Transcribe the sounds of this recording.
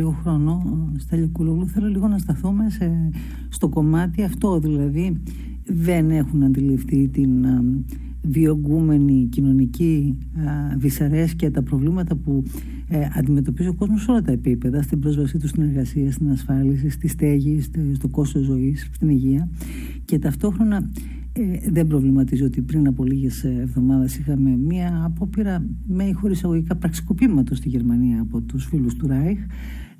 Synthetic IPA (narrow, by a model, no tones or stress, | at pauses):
iɣoxɾo̞no̞st̪ɐʎokuloluθe̞lo̞liɣo̞nɐst̪ɐθome̞se | st̪oko̞mɐt̪iɐft̪o̞ðilɐði | ðe̞ne̞xunɐnd̪ilifθit̪in | vio̞ɡume̞nicino̞nici | visɐɾe̞scet̪ɐpɾo̞vlimɐt̪ɐpu | ɐ̰nd̪ime̞t̪o̞pizio̞ko̞zmo̞so̞lɐt̪ɐepipe̞ðɐst̪ibɾo̞zvɐsit̪ust̪ineɾɣɐsiɐst̪inɐsfɐlis̬ist̪ist̪e̞ʝisst̪o̞ko̞st̪ozo̞ist̪iniʝiɐ | ce̞t̪ɐft̪o̞xɾo̞nɐ | ðe̞mbɾo̞vlimɐt̪izio̞t̪ipɾinɐpo̞liʝe̞sevðo̞mɐðɐsixɐmemiɐːpo̞piɾɐ | meixo̞ɾisɐɣo̞ʝikɐpɾɐksi̥ko̞pimɐt̪o̞st̪iʝe̞ɾmɐniɐːpo̞t̪usfilust̪uɾɐjx